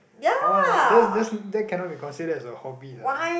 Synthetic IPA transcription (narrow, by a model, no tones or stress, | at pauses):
jaadɛsdɛsdɛt̚kʰɛ̃nɔt̚bikɔ̃nsidədɛsəhɔbinwa